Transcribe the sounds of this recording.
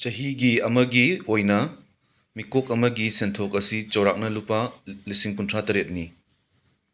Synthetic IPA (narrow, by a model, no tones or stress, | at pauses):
t͡ʃɐɦiɡiɐmɐɡiojnɐ | mikok̚ɐmɐɡisentʰokɐsit͡ʃɐwɾak̚nɐlupːɐlisiŋkuntʰɾatɐɾet̚ni